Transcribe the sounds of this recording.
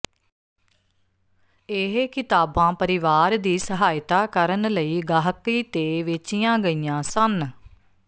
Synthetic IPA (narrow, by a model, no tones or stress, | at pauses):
eːɦkɪt̪aːbãːpəɾɪʋaːɾd̪iːsəɦaːjt̪aːkəɾənləiːɡaːɦkiːt̪eːʋeːt͡ʃijãːɡəiːjãːsən